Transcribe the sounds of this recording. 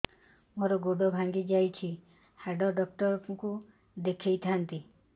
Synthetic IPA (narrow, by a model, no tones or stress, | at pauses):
moɾɔɡoɖɔbʱaŋɡid͡ʒajt͡ʃʰi | haɖɔɖɔk̚ʈɔɾku | d̪ekʰejt̪ʰant̪i